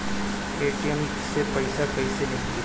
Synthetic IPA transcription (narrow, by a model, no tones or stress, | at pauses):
eːʈiem | sepɐɪsakɐĩseleːe